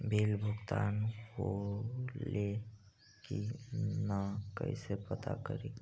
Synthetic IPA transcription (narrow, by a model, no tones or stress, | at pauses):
bʱeːlbʱʊɡt̪anko | le | kinakə̰ɪsepət̪a̰kəɾe